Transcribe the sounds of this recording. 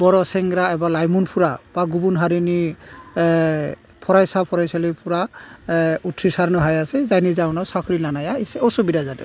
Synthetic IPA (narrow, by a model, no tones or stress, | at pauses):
bɔɾɔsɛŋɡɾaɛbalajmunpʰuɾab̥aɡubunɦaɾini | pʰɔɹajsapʰɔɾajsalipuɹa | utʰɹisaɾnɔɦajasɛzajnizawnɔsakʰɾinanajaisɛɔsubidazadɛ̰